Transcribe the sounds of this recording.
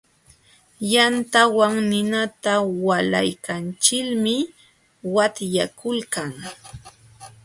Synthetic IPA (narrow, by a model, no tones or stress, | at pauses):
jant̪awaŋnɪnat̪awalajkant͡ʃɪkmɪ | wat̪jakʊlkaŋ